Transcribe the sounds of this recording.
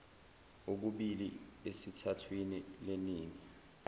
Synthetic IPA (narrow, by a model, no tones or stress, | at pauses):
ok̬uɓiliesitʰatʰwinileniːŋi